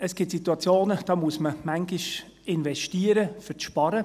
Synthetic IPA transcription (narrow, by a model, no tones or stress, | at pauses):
əsɡ̥ɪtsituɑt͡sjoːnəd̥ɑːmuəsməmæŋɡɪʃ | ɪnvɛʃtiːəɾəfʏʃpɑɾə